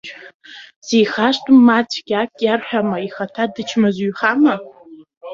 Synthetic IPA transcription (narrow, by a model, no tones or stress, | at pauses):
sejχaʂtʼɨmːat͡sʷʰʼɡʲakʼjarħᶣamaiχatʰadɨt͡ʃʰmazɥχama